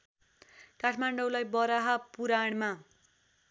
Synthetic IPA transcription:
kaʈʰmaɳɖowlajbʌɾaɦapuɾaɽ̃ma

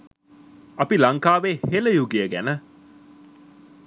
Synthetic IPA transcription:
ɐpilɐŋkaːʋeːheləjuɡijəɡænə

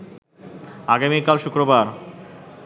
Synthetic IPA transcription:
aɡamikːalʃukɾobaɾ

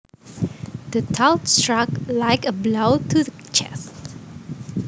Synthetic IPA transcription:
d̥ətʰaʊtstɹaklaɪkəblotʰuðət͡ʃʰɛ̰stt

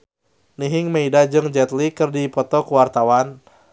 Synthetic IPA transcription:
niɦɪŋmeidad͡ʒɨŋd͡ʒɛt̪likɨrdipɔt̪ɔkuwart̪awan

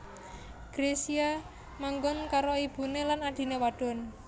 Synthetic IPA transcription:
ɡ̥ɾesia | maŋɡʊnkaɾoib̥ṳnelanaɖ̥i̤newaɖ̥ɔ̤n

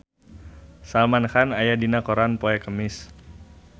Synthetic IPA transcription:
salmanxanajadinakoɾanpoɛkəmɪs

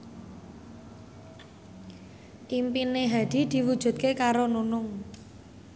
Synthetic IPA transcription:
ʔimpineɦad̪̥i̤d̪̥i̤wud̥ʒ̥ṳt̪̚kekaɾonunʊŋ

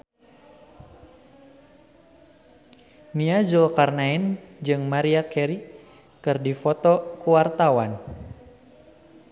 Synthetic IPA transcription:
niazulkarnaɛnd͡ʒɨŋmaɾiakɛɾi | kɨrdifɔt̪ɔkuwart̪awan

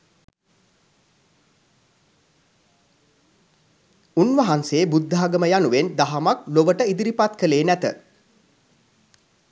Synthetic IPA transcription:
unʋɐɦanseːbud̪ʱːaɦaɡəməjanuʋend̪aɦamak̚loʋəʈəid̪iɾipat̪kəleːnæt̪ə

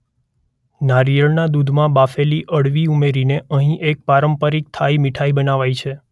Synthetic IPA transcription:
naɾijəɭnad̪ud̪ʱmãbafeliʔəɽʋiumeɾineəɦĩʔek̚paɾəmpəɾik̚t̪ʰajmiʈʰajbənaʋajt͡ʃʰe

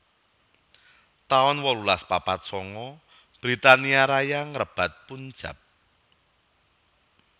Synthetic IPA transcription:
t̪aɔnwɔlulaspapat̪̚sɔŋɔ | b̥ɾit̪aniaɾajaŋərəb̥a̤t̪̚pun̥ʒ̥a̰p̚

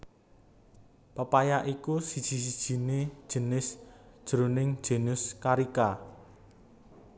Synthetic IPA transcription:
pəpajaʔikusid̥ʒ̥i̤s̬id̥ʒ̥i̤ne̥ʒ̥ə̤nɪsd̥ʒ̥əɾonɪŋ̥ʒ̥e̤nʊskaɾika

